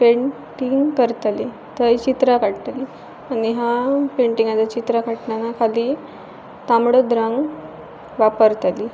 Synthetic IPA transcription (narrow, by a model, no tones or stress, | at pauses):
peɳ | ʈiŋɡkəɾt̪ali | t̪əɦit͡ɕit̪ɾakaɽt̪ali | aniɦapeɳʈiŋɡat͡sat͡ɕit̪ɾakaʈɳanakʰaliː | t̪amɽəd̪ɾãŋɡ | ʋapəɾt̪ali